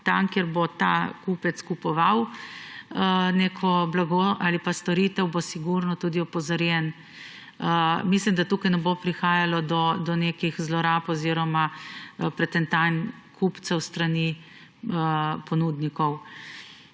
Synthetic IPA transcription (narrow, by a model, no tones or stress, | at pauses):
t̪amkeɾbot̪akupɛt̪skupɔʋaw | neːkʰɔblaɡoalipast̪ɔɾit̪ɛwbosiɡuɾnɔt̪ud̪iɔpɔzaɾjɛn | əmislimd̪at̪uːkajnɛbopɾixaːjalɔd̪ɔd̪ɔnekixzlɔɾaːpɔziɾɔmapɾɛt̪ɛnt̪an | kʰupt̪sɛwst̪ɾani | əpɔnud̪nikɔw